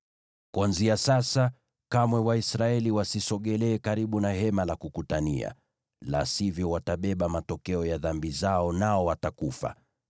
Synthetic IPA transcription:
kwanziasasa | kamwɛwaisɾaɛliwasisɔɠɛlɛːkaɾiɓunaɦɛmalakukutanḭa̰ | la̰sivjɔwataɓɛɓamatɔkɛɔjaðambizaɔnaɔwatakufa̰

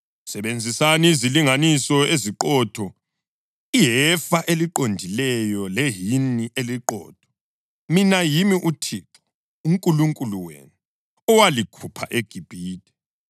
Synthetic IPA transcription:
sɛβend͡zʱisaniːziliŋanisɔeziǃɔːtʰɔ | iɦɛfaʔeliǃondʱilɛjɔleɦiniʔeliǃɔ̰ːtʰɔ̥ | minajimiʔutʰiǁʰɔ̥ | uŋkʼuluŋkʼuluwḛːnu | ɔwalikʰupʰa̰ʔeɡ̥ʱib̥ʱiːtʼɛ̥

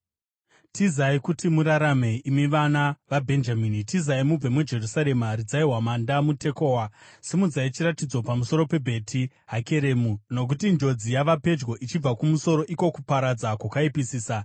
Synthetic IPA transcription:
tizaikutʰimuɾaɾame̞imiʋanaʋabʱe̞nd͡ʒamiːnitizaimub͡vemud͡ʒe̞rusaɾe̞maɾid͡zaiɦwamandamute̞ko̞ːwasimud͡zait͡ʃiɾatid͡zo̞pamuso̞ɾo̞pe̞bʱe̞tʰi | ɦake̞ɾe̞muno̞k̬utind͡ʒo̞d͡zijaʋape̞d͡ʒɡo̞ʔit͡ʃib͡vakumuso̞ɾo̞ʔiko̞kupaɾad͡zakwakaipisiːsa

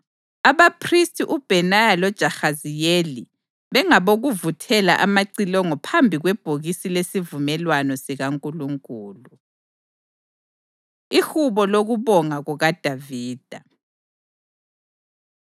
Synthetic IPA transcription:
aβapʰristʼiʔub̥ʱɛnajalɔd̥ʒ̥ʱaxazijeli | βɛŋaβoɣuvutʰɛla̰ʔamaǀilɔŋɔpʰambʱiɣwɛb̥ʱoɣisilesivumɛlwanɔsiɣaŋkʼuluŋkʼuːlu | ihuβɔloɣuβɔŋaɣuɣad̥ʱaviːd̥ʱa

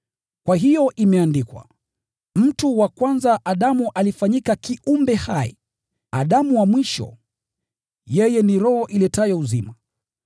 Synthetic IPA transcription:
kwaɦijɔʔimɛandikwa̰ | m̩tuwakwanzaʔaɗamuʔalifaɲikakiʔumbɛhaḭ | a̰ɗamuwamwiʃɔ̰ | jɛjɛniɾɔhɔʔilɛtajɔuzima

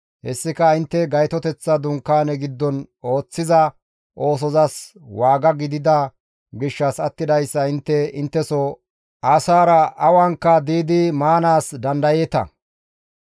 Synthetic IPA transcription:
hɛsːɪkɐɪnt̪ːɛɡɐjt̪ɔt̪ɛt͡sːɐd̪ʊŋkːaːnɛɡɪd̪ːɔno̞ːt͡sːɪzɐ | ʔo̞ːs̬ɔzɐs | waːɡɐɡɪd̪ɪd̪ɐ | ɡɪʃːɐsɐt̪ːɪd̪ɐjsːɐɪnt̪ːɛɪnt̪ːɛsɔ | ʔɐsaːɾɐʔɐwaŋkːɐd̪iːd̪ɪmaːnaːsd̪ɐnd̪ɐjeːt̪ɐ̰

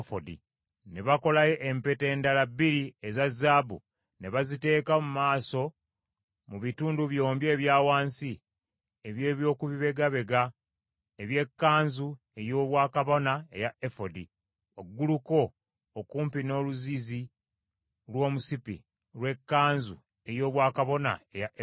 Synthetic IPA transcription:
fodḭ | ne̞βako̞lajeʔempete̞ːndalabːiɾiezazabṵ | ne̞βazite̞ːkamumaːso̞ | muβituːnduβjo̞ːmbje̞ːβjaːwaːnsi | eβje̞ːβjo̞ːkuβiβe̞ɡaβe̞ɡa | eβje̞kːaːnzu | e̞jo̞ːβwaːkaβo̞nae̞̰jaefo̞di | o̞ɡːuluko̞ː | kuːmpino̞ːluzizi | lwo̞ːmusipḭ | lwe̞kːaːnzu | e̞jo̞ːβwaːkaβo̞na̰e̞jaʔe

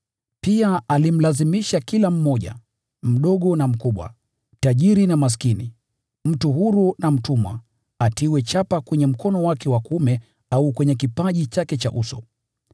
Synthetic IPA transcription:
piaalim̩lazimiʃakilam̩mɔʄa̰ | m̩ɗɔɠɔnam̩kuɓwa̰ | taʄiɾinamas̬kinḭ | m̩tuhuɾunam̩tumwa̰ | atiwɛt͡ʃapakwɛɲɛm̩kɔnɔwakɛwakumɛ | aukwɛɲɛkipaʄit͡ʃakɛt͡ʃa̰ʔusɔ̰

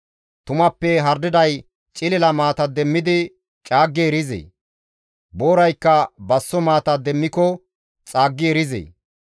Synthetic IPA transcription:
t̪ʊmɐpːɛɦɐɾd̪ɪd̪ɐj | t͡ʃʼɪlɛlɐmaːt̪ɐd̪ɛmːɪd̪ɪ | t͡ʃʼaːɡːeːɾɪzḛː | boːɾɐjkːɐbɐsːɔmaːt̪ɐd̪ɛmːɪkɔ | t͡sʼaːɡːɪɛɾɪzḛː

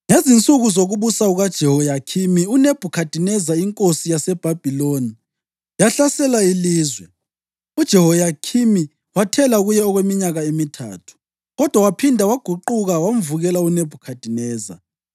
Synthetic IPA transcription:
ŋezint͡sʼuɣuzoɣuβusauɣad̥ʒ̥ʱɛhɔjakʰimiuneb̥ʱukʰad̥ʱinɛzaiŋkʼosijasɛb̥ʱab̥ʱiloni | jaɬasɛlailiːzwɛ | ud̥ʒ̥ʱɛhɔjakʰimi | watʰɛlaɣujɛɔɣwemiɲaɣaemitʰa̰ːtʰu̥ | ɣɔd̥ʱwawapʰindʱawaɡ̥ʱuǃuɣawam̩vuɣɛlauneb̥ʱukʰad̥ʱinɛːza̰

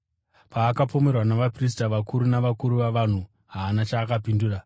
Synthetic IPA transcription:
paːkapo̞me̞rwanaʋapris̬taʋakuɾunaʋakuɾuʋaʋan̤u | ɦaːnat͡ʃaːkapinduːra

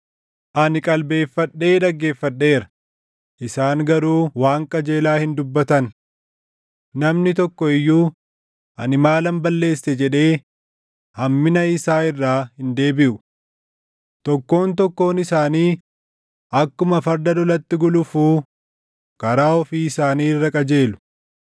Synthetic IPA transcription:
ʔɐnɪkʼɐlbe̞ːfːɐᶑːe̞ːd̪ɐɡːe̞ːfːɐᶑːe̞ːɾɐ̥ | ʔɪsaːŋɡɐɾuːwaːŋkʼɐd͡ʒe̞ːlaːhɪnd̪ʊbːɐt̪ɐn | nɐmnɪt̪ɔkːɔɪjːuː | ʔɐnɪmaːlɐmbɐlːe̞ːsːɛd͡ʒɛᶑe̞ː | hɐmːɪnɐɪsaːɪrːaːhɪnd̪e̞ːbɪʔʊ | t̪ɔkːo̞ːnt̪ɔkːo̞ːnɪsaːniː | ʔɐkːʊmɐfɐɾd̪ɐd̪ɔlɐt̪ːɪɡʊlʊfuː | kɐɾaːɔfiːɪsaːniːrːɐkʼɐd͡ʒe̞ːlʊ̥

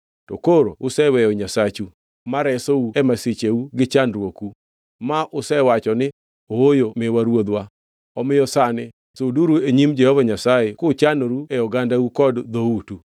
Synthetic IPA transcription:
to̰koɾoʊsɛwɛjɔɲasat͡ʃu | maɾɛsouɛmaset͡ʃeuɡɪt͡ʃanɾwoku | maʔʊsɛwat͡ʃɔnɪ | oojomɪwaɾwod̪wa | ɔmɪjɔsanɪ | soduɾueɲimd͡ʒɛhɔvaɲasajekʊt͡ʃanoɾuɛɔɡandaukɔdd̪outu

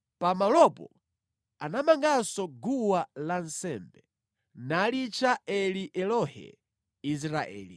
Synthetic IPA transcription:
pamalɔpɔ̰ | anamaŋɡasɔɡuwalansɛmbɛ | nalit͡ʃaɛliʔɛlɔhɛ̰ | is̬ɾaʔɛ̰ːli

